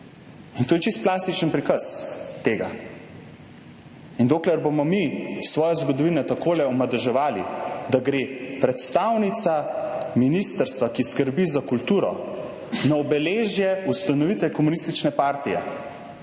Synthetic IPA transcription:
int̪oːjɛt͡ʃist̪̚plaːst̪it͡ʃənpɾikəst̪eːɡa̰ | ind̪oːklɛɾbomɔmisʋɔːjɛzɡɔd̪ɔʋiːnɛt̪akoːlɛɔmad̪ɛʒɛʋaːlḭd̪aɡɾepɾɛt̪st̪awnit̪saminist̪əɾst̪ʋakiskəɾbizakult̪uːɾɔ̰ | naɔbɛleːʒjɛust̪anɔʋit̪ʋɛkɔmunist̪it͡ʃnɛpaːɾt̪ijɛ̰

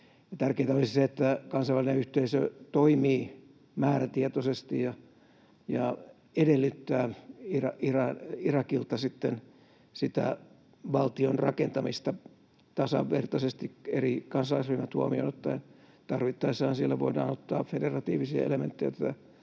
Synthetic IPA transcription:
jɑt̪ærkeit̪æolisiseet̪ːækɑnsɑʋælineyht̪eisø̰t̪oimiː | mæːræt̪iet̪osest̪ijjɑ | jɑ | edelːyt̪ːæːirɑirɑirɑkilt̪ɑsit̪ːen | sit̪æ̰ | ʋɑlt̪ionrɑkent̪ɑmist̪ɑ | t̪ɑsɑ̰ʋːḛrt̪ɑsest̪ikerikɑnsɑɑsʋimːæt̪huomio̰not̪ːɑ | t̪ɑrʋit̪ːɑisːɑhːnsielːæʋoidɑ̰ːnot̪ːɑ̰ːfederɑt̪iːʋisiɑ̰ḛlemḛnt̪ːejot̪t̪ːæ

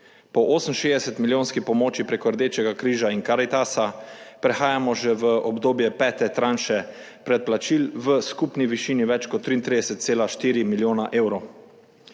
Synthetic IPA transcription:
pɔʔoːsən̩ʃeːzd̪ɛsɛt̪miljõːnskipɔmoːt͡ʃipɾɛkɔɾd̪eːt͡ʃɛɡakɾiːʒainkaɾit̪asapɾɛxaːjamɔʒɛʋəʔɔbd̪oːbjɛpɛːt̪ɛt̪ɾanʃɛ | pɾɛt̪̚plat͡ʃiːlʋəskupniʋiʃiːniʋɛt͡ʃkɔt̪ːɾiːnt̪ɾid̪ɛsɛt̪̚t̪seːlaʃt̪iːɾimiljoːnaʔeːwɾow

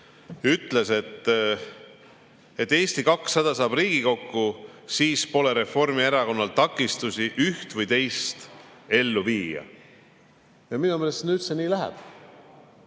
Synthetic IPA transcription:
yt̪ːˑle̞se̞t̪ː | e̞t̪ːˑe̞ːst̪ikɑksːɑd̪̥ɑsɑːbriːɡ̥iko̞kːusiːspo̞le̞ɾe̞fo̞rmieɾɑko̞nːɑlt̪ɑkːˑist̪usiʔyht̪vɨjt̪e̞jst̪e̞lːuviːjɑ̰ | jɑminumeːlest̪nyːt̪seniːlæɦɛ̰b̥

